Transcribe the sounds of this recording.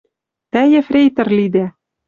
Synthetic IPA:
t̪æjɘ̆frʲejt̪ɘ̆rlid̪æ

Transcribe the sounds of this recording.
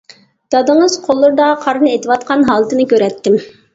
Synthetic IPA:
d̪̥ɑd̪ɨŋɨz̥qʰolˠːʊɾd̪ɑqʰɑɾnɨet̪ɨwɑt̪̚qʰɑnɦɑːlˠɨt̪ɨnɨkʲøɾɛt̪ʰːɪm

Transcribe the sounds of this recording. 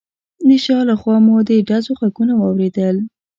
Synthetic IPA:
d̪əʃɑlaxwɑmod̪əɖazoxakunawɑwɾed̪əl

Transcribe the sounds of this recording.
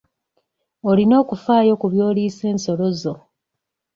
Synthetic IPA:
olino̞ːkufaːjo̞kuβjoːliːse̞ːnso̞lo̞zo̞

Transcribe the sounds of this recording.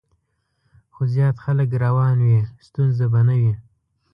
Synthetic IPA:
xozjɑːt̪xaləkɾawɑnwist̪unzabanawi

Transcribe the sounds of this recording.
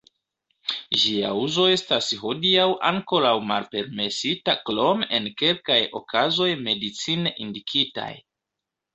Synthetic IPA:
ʒia̰uzo̞e̞stasɦo̞diawʔaŋko̞ɾawmalpe̞ɾme̞sitaklo̞me̞̰nke̞lkajo̞̰kʰazo̞jme̞dit͡sineʔindikʰita̰j

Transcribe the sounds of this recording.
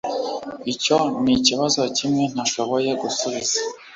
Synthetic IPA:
ico̞niciβazo̞cimŋe̞n̥aʃo̞βo̞je̞ɡusuβiz̥ḁ

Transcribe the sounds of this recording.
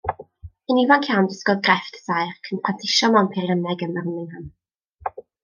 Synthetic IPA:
ənivankʰjawndɪskɔðɡrɛftə̥sajrkʰənpʰwantʰɪʃɔmawnpʰɪrənɛɡənərənɪŋhən

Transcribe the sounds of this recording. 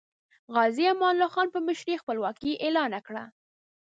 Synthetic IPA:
ɣɑziamɑnlaxɑnpəmɪʃɾixpəlwɑkiʔelɑnakɽa

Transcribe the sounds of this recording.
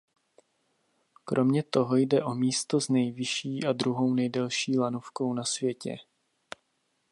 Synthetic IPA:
kɾʔo̞mɲɛt̪o̞ɦo̞jdɛʔomiːst̪o̞znɛjvɪʃiːʔad̪ɾuɦo̞wnɛjdɛlʃiːlanofko̞wnasvjɛcɛ̰

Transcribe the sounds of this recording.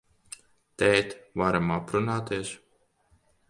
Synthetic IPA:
t̪ɛːt̪vaɾamapɾunaːt̪eɛʃ

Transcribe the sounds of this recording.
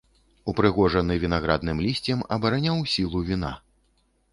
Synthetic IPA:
upɾɨɣɔʐɐnɨvʲin̪aɣɾa̰d̪nɨmlʲisʲt͡sʲɛmɐbɐɾanʲawsʲilˠuvʲin̪a̰

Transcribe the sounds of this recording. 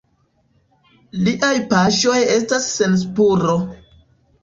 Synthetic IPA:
liʔajpaʃo̞je̞stasːe̞ns̬puɾo̞

